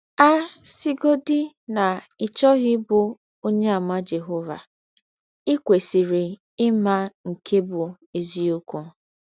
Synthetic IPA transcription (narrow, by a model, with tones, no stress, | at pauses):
a˦si˦ɡo˦dɪ˦ | na˨ | ɪ˨t͡ʃɔ˦ɣɪ˦bʊ˨ | o˦ɲe˦a˨ma˦d͡ʒe˨ɦo˦va̰˨ | ɪ˦kʷe˨si˨ɾi˨ | ɪ˦ma˦ŋ̩˨kʰe˦bʊ˨ | e˨zi˦o˦ku˦